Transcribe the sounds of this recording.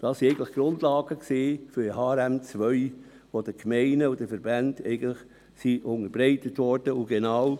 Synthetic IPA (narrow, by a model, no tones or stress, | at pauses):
d̥ɑːsiɛɪɡəntləχɡ̥ɾʊndlɑːɡ̥əkseːfyɾəhɑːɾæmt͡sʋœʏ | ʋod̥əkmɛɪnəʊd̥əfəɾbændɛɪɡən̩tləχ | siʔʊŋəɾbɾɛɪtətʋɔɾd̥əʊɡenaw